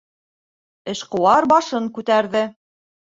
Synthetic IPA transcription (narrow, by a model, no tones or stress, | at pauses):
ɘ̆ʃqŏwɑɾbɑʃɤŋkʉt̪æɾðɘ